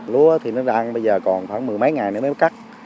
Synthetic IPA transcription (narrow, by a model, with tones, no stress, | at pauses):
lu˨˦ə˦t̪ʰi˨˩nɔ˨˦ɗaː˧ʔa˧nɓə˧jzəː˨˩kɔ˨˩nxwaː˧˩nmɨ˨˩əjma˨˦jŋa˨˩jnː˨˦mː˦˨˦ka˦˥k̚